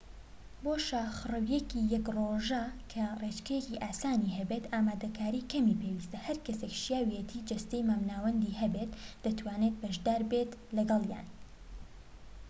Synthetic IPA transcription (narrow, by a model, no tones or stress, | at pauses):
boːʃaxɨrɨwjɛkijɐkroːʒakʰɐret͡ʃkɐjɛkiʔaːsaːniɦɐbet̪aːmaːd̪ɐkʰaːɾiːkʰɐmipʰewist̪ɐhɐɾkɐsekʃjaːwijet̪ʰiːd͡ʒɐst̪ejmaːmnaːwɐnd̪ihɐbet̪d̪ɐt̪waːneːt̪̚bɐʃd̪aːɾbet̪lɐɡɐlˠja̰ːn